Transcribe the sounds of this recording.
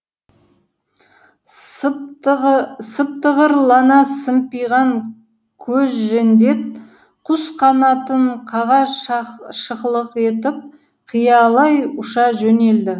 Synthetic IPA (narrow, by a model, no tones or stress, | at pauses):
səp̚t̪əʁəɾlˠɑnɑsəmpijʁɑŋ | kʲʰɵzʒend̪e̞t̚ | qʰʊsqʰɑnɑt̪əɴqʰɑʁɑ | ʃəqlˠəqe̞t̪ɪp̚ | qʰijɑlˠɑjʊʃɑʒɵne̞ld̪ɪ